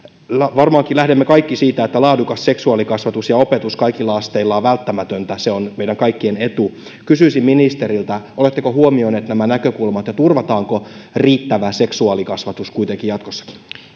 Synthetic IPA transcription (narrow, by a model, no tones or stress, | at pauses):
lʋɑrmɑːŋkilæhdemːekɑikːisiːt̪æet̪ːælɑːdukɑsseksuɑːlikɑsʋɑt̪usjɑopet̪uskɑikilːɑɑst̪eilːɑːʋælt̪ːæmæt̪ønt̪æseonmeiɾæŋkɑikːienet̪u | kysyˑsimminist̪eɾilt̪æolet̪ːekohuomioneːt̪næmænækøkulmɑt̪jɑt̪urʋɑt̪ɑːŋkoriːt̪ːæʋæse̞ksuɑːlikɑsʋɑt̪uskuit̪eŋkijɑt̪kosːɑ̥ki̥